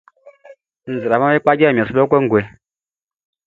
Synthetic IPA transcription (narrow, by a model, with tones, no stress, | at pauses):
n̩˨zi˨ɾa˨ma˦i˦k͡pa˦ɡe˦˨m˨a˨su˦bkʷe˦ŋ̩˦ɡʷe˨